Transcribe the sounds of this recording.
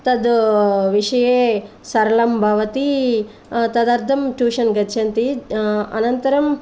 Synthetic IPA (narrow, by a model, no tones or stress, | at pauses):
t̪ɐd̪ʋiʂɐjeː | sɐɾɐlɐmbʱaːʋɐt̪i | t̪ɐd̪aːɾt̪ʰɐmʈuːʃɐnɡɐd̪t͡ʃʰɐnt̪iɐ̰nɐnt̪ɐɾɐm